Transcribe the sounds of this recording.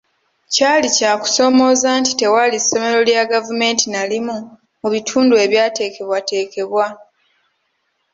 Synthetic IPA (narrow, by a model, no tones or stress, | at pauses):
caːlicaːku̥so̞mo̞ːzaːnti̥te̞waliso̞me̞ɾo̞ljaɡavume̞ːntinalimu | muβitʰuːndue̞ːβjaːte̞ːke̞βwate̞ːke̞βwa